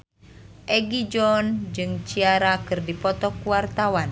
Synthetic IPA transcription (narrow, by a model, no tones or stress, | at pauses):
ʔɛɡid͡ʒɔnd͡ʒɨŋt͡ʃiaɾakɨrdipɔt̪ɔkuwart̪awan